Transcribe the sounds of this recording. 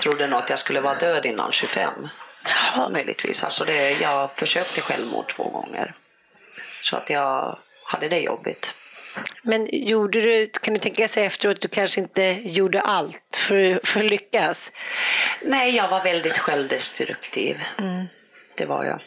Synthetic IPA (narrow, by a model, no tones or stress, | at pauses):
t̪ʰɾʊd̪ːənʊːat̪jaskɵlːəvɑːɾad̪øːd̪ɪnːa̰nɕɵfɛmː | mœjlɪɡt̪ʰvḭːsa̰lsɔd̪ɛjɑːɡfœʂøːk̚t̪əɧɛlvmṵːt̪ʰv̥o̰ːɡɔ̰ŋːə̰ɾ | sɔa̰t̪jɑːɡ | had̪ːəd̪ɛjɔ̰bːɪ̰t̪ | mɛnjuːɖəd̪ɵkʰand̪ɵt̪ʰɛŋkasɛjɛft̪əɾoːt̪̚d̪ɵkʰanʂəɪnt̪əjuːɖəʔalt̪fɔɾfœɾɔlʏkːas | nɛːjɑːɡvaɾvɛld̪ɪt̪ɧɛlvd̪ɛst̪ɾɵkt̪ʰḭːv | d̪̥ɛva̰ɾja̰